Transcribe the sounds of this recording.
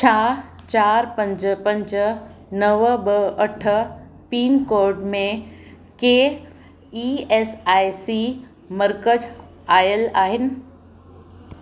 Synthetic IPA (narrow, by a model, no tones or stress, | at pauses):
t͡ɕʰaː | t͡ɕaːɾpɐ̃ɲd͡ʑə̆pɐ̃ɲd͡ʑənɐʋbəɐʈʰə̆ | piːnkoːɾɖmẽ | keː | ieːsaːjsi | məɾkəd͡ʑ | aːjəlaːɦɪnɪ̆